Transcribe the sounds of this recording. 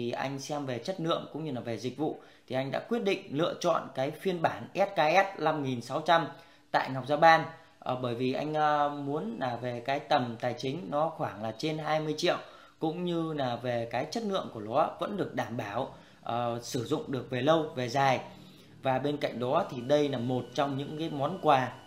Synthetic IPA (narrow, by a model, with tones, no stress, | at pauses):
i˨˩ʔa̰˧jŋ̟sɛ˧mve˨˩t͡ɕə˦˥t̚nɨ̰˧˨əŋkʊ̰˧˥ŋ͡mɲɨ˧laː˨˩ve˨˩zi˨˩k̟̚vṵ˧˨ | t̪ʰi˨˩ʔa˧jŋ̟ɗa̰ː˧˥kwət̚ɗḭ̈˧˨ŋ̟lɨ̰˧ət͡ɕɔ̰˧˨nkaː˨˦jfi˧ənɓaː˧˩nʔɛ˦˥t̚kaː˧ʔɛ˦˥t̚la˧mŋi˨˩nsa˨˦wt͡ɕa˧m | t̪a̰ː˧˨jŋa˨˩k͡p̚zaː˧ɓaː˧n | ʔə˨˩ɓəː˧˩jvi˨˩ʔa̰˧jŋ̟əː˨˧mu˨˦ənlaː˨˩ve˨˩kaː˨˦jt̪ə˨˩mt̪aː˨˩jt͡ɕï˨˦ŋ̟nɔ˨˦xwaː˧˩ŋlaː˨˩t͡ɕe˧nɦaː˧jmɨ˧əjt͡ɕḭ˧˨əw | kʊ̰˧˥ŋ͡mɲɨ˧laː˨˩ve˨˩kaː˨˦jt͡ɕə˦˥t̚nɨ̰˧˨əŋku˧˩əlɔ˨˦və̰˧˥nɗɨ˨˩ək̚ɗaː˧˩mɓaː˧˩w | ʔəː˨˩sɨ˧˩zʊ̰˧˨ŋ͡mɗɨ˨˩ək̚ve˨˩lə˧wve˨˩zaː˨˩j | vaː˨˩ɓe˧nka̰˧˨jŋ̟̚ɗɔ˨˦t̪ʰi˨˩ɗə˧jnaː˨˩mo˨˩t̚t͡ɕɔ˧wŋ͡mɲɨ̰˧˥ŋkaː˨˦jmɔ˨˦nkwaː˧˩